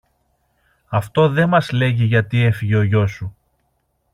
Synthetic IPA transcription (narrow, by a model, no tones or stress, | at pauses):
ɐft̪o̞ðe̞mɐzle̞ʝiʝɐt̪ie̞fiʝeo̞ʝo̞su